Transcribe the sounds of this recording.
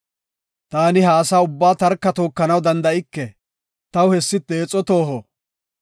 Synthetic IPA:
t̪aːnɪɦaːsaːʊbːaːt̪ɐɾkːɐt̪oːkːɐnɐwd̪ɐnd̪ɐʔɪkːɛ | t̪ɐwhɛsːɪt̪ːeːt͡sʼːɔt̪oːɦɔ

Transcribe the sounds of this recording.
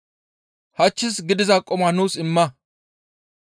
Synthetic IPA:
hɐt͡ʃːɪsɡɪd̪ɪzaːkʼɔmanuːsɪmːɐ

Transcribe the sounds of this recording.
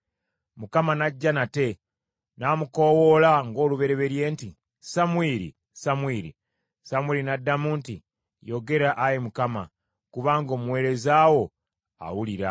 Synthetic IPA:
mukamanaɟːanate̞ | naːmuko̞wolaŋɡo̞ːluβe̞ɾeβe̞ɾje̞ːnti | samwiːɾḭ | samwiːɾḭ | samwiːɾinadːamuːnti | jo̞ɡe̞ɾaʔajemukama̰ | kuβaːŋɡo̞ːmuwe̞ːɾe̞zaːwo̞ | a̰wuliɾa̰

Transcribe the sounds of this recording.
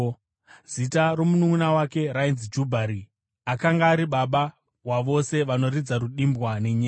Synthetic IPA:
z̥itaro̞munuŋunawake̞rainzd͡ʒubʱaɾi | akaŋɡaːɾiɓaɓa | waʋo̞se̞ʋano̞rid͡zaɾuɗimbwaneɲeː

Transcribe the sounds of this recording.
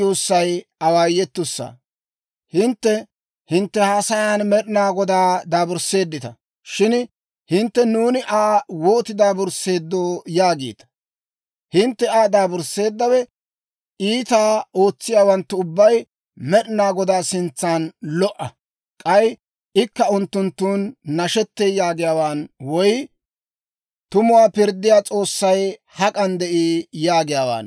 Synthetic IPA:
uːsːɐjɐwaːjːɛt̪ːʊsːa̰ː | hɪnt̪ːɛ | hɪnt̪ːɛhaːsɐjaːnmɛɗɪnaːɡɔd̪aːd̪aːbʊɾse̞ːd̪ːɪt̪ɐ | ʃɪn | hɪnt̪ːɛnuːnɪʔaːwo̞ːt̪ɪd̪aːbʊɾse̞ːd̪ːoːjaːɡḛːt̪ɐ̥ | hɪnt̪ːɛaːd̪aːbʊɾsːe̞ːd̪ːɐwɛ | iːt̪aːo̞ːt͡sːɪjaːwɐnt̪ːʊʊbːɐj | mɛɗɪnaːɡɔd̪aːsɪnt͡sːaːnlɔʔɐ | kʼɐj | ʔɪkːɐʊnt̪ːʊnt̪ːuːnːɐʃɛt̪ːejaːɡɪjaːwaːnwɔj | t̪ʊmʊwaːpɪɾd̪ːɪjaːt͡sʼo̞ːsːɐjhɐkʼɐnd̪ɛʔiːjaːɡɪjaːwa̰ːn

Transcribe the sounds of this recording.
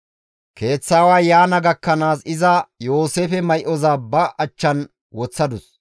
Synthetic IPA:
kʰe̞ːt͡sːaːwaːjaːnɐɡɐkːɐnaːsɪzɐjo̞ːseːfɛmɐjʔɔzaːbɐʔɐt͡ʃːɐn | wɔt͡sːɐd̪ʊs

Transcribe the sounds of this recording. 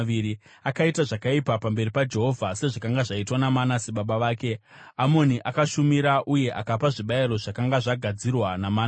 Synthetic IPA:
ʋiɾi | akaitaʐakaipapambe̞ripad͡ʒe̞ɦo̞vʱase̞ʐakaŋɡaʐaitwanamanaseɓaɓaʋaːke̞ | amo̞niʔakaʃumiɾaʔuje̞ʔakapaʐiɓaiɾo̞ʐakaŋɡaʐaɡʱad͡zirwanamaːn

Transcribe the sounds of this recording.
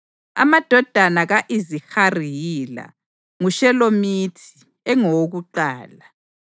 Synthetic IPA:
a̰mad̥ʱɔd̥ʱanaɣaʔizixarijiːla̰ | ŋuʃɛlomitʰi̥ | ɛŋɔwoɣuǃaːla

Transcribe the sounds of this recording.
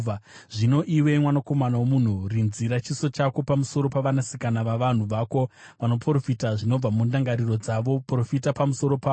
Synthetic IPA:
ʐino̞ʔiwe̞mwanako̞manawomun̤urinziɾat͡ʃiso̞t͡ʃako̞pamuso̞ɾo̞paʋanasikanaʋaʋan̤uʋaːko̞ʋano̞pro̞fitaʐino̞b͡vamundaŋɡaɾiro̞d͡zaʋo̞pro̞fitapamuso̞ɾo̞paːo

